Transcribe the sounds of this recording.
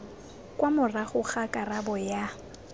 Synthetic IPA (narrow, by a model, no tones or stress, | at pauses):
kʼwamʊraχʊχakʼarabɔja